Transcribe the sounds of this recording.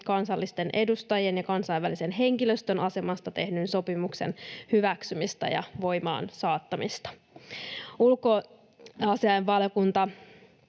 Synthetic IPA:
kɑnsɑlːist̪e̞nʔe̞dust̪ɑjenjɑkɑnsɑjʋːælise̞nɦe̞ŋkiløst̪ønɑse̞mɑst̪ɑt̪e̞hnynso̞pimukse̞̰nhyʋæksymist̪ɑ̰jɑ̰ʋo̞jmɑ̰ːnsɑːt̪ːɑmist̪ɑ̥ | ulko̞ | ɑsiɑjʋʋɑljokunt̪ɑ

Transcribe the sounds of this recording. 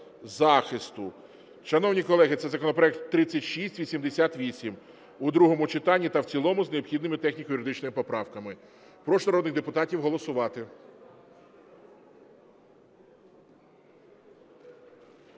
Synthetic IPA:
zɑxɪst̪ʊ | ʃɐnɔwnʲikɔlˠɛɦɪt̪sɛzɐkɔnɔpɾɔɛk̚t̪ːɾɪt͡sʲːɐtʲʃisʲtʲʋʲisʲimd̪esʲat̪ʋʲisʲim | ʊd̪ɾuɦɔmʊt͡ʃɪt̪ɑnʲːit̪ɐwt͡sʲilˠɔmʊzneɔbxʲid̪nɪmɪt̪ɛxnʲikjʊɾɪd̪ɪt͡ʃnɔmɪpɔpɾɑwkɐmɪ | pɾɔʃnɐɾɔd̪nɪɣd̪epʊt̪ɑtʲiwɦɔlˠɔsʊʋɑt̪ɪ

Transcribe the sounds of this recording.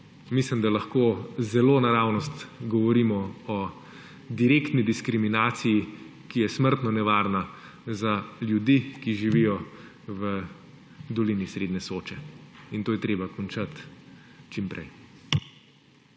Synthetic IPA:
mislimd̪alaxkoːzɛloːnaɾaːwnɔst̪ɡɔʋɔɾiːmɔɔ | d̪iɾeːkt̪nid̪iskɾiminaːt̪sijikijɛsməɾt̪nɔnɛʋaɾna | zaljud̪ikiʒiʋijɔ | ʋə | d̪ɔlinisɾed̪nɛsoːt͡ʃɛint̪oːjɛt̪ɾeːbakɔnt͡ʃat̪ | t͡ʃimpɾɛ̰j

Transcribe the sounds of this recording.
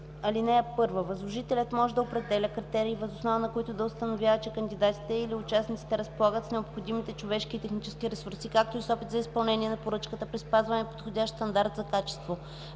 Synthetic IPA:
ɐlinɛːpɤɾvəvɐzlˠoʒit̪ɛlʲət̪mɔʒɛd̪ɐopɾɛd̪ɛlʲəkɾit̪ɛɾiːvəzosnɔvənɐkoit̪ʊd̪ɐʊst̪ɐnovʲjavət͡ʃɛkənd̪ʲid̪at̪i̥t̪ɛiliʊt͡ʃasnit̪si̥t̪ɛɾəspolˠaɡət̪snɛopxod̪imit̪ɛt͡ʃovɛʃkit̪ɛxnit͡ʃɛ̥skʲiɾɛsuɾsikak̚t̪oisɔpit̪zɐispɐlˠnɛniɛnɐpoɾɤt͡ʃkət̪əpɾispazvɐnɛpo̥t̪xodʲaʃt̪sɐnd̪aɾt̪zɐkat͡ʃɛ̥st̪vo

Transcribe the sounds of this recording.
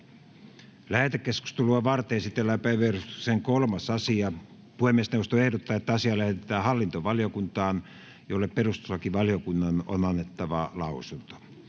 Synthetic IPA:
læhet̪ekkːesku̥st̪eluɑʋɑrt̪eːsit̪ːelːæpæiʋerust̪y̥kseŋkolmɑsɑsiɑ | puhemːest̪neust̪oehdot̪ːɑːet̪ːæɑsiɑlæhet̪et̪æːhɑlːint̪oʋɑljokunt̪ɑːn | jolːepperust̪u̥sːɑkiʋɑljokunːɑno̰nɑnːet̪ːɑʋɑlɑusunt̪o̥

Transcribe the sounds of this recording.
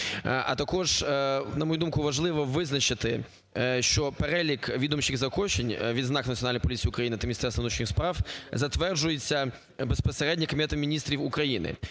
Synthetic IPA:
ʔɐ̰t̪ɐkɔʒnɐmɔjud̪umkʊʋɐʒlˠɪʋɔʋɪznɐt͡ʃɪt̪ɪ | ʃt͡ʃɔpeɾɛlʲikʋʲid̪ɔmʃʲiɣzɐkɔt͡ʃenʲʋʲid̪znɑknɐtʲiɔnalʲnjp̬ɔlʲit͡sʲiːʊkɾɐjinɪt̪ɐmʲinʲisɛrsʋnut͡ʃnɪxspɾɑwzɐt̪ʋɛrd͡ʒʊjet͡sʲːɐ | bespɔseɾɛdʲnʲikoɔmʲit̪ɛt̪ɪmʲinʲist̪ɾʲiwʊkɾɐjinɪ̰

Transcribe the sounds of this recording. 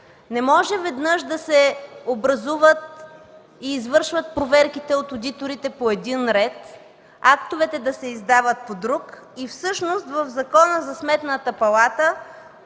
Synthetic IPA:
nɛmɔʒɛvɛd̪nɤʃd̪ɐsɛobɾɐzuvət̪̚ | iːzvɤɾʃvət̪̚pɾovɛɾkit̪ɛot̪od̪it̪oɾit̪ɛpoɛd̪inɾɛt̪ | akt̪ovɛt̪ɛd̪ɐsɛizd̪avət̪̚pod̪ɾuk | ifsɤʃnost̪vəvzɐkɔnəzɐsmɛt̪nət̪əpɐlˠat̪ə

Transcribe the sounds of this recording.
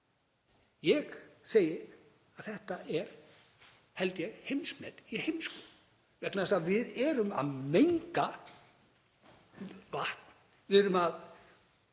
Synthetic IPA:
jɛɣseːjɪ | aðθɛht̪aɛɾ̥ | hɛlt̪jɛɣhejmsmɛ̰t̪ihejmskɔl | vɛt̪naðɛst̪aðvɪðɛɾʏma̰ðmejŋka | vaht̪n̥ | vɪðɛɾʏmað

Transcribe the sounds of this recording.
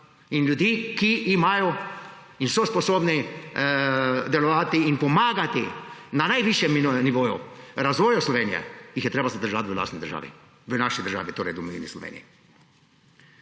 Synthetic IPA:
inljud̪iːkiʔːmaːjɔ | insɔspɔsoːbni | d̪ɛlɔʋaːt̪iːnpɔmaːɡat̪inanajʋiʃjɛmniʋoːjṵɾazʋɔːjɔslɔʋeːnijɛ̰jixjɛt̪ɾeːbazad̪əɾʒat̪ʋəla̰st̪nid̪əɾʒa̰ːʋḭ | ʋənaʃid̪əɾʒa̰ːʋit̪oːɾɛ̰jd̪umɛʋḭnislɔ̰ʋḛːnḭi

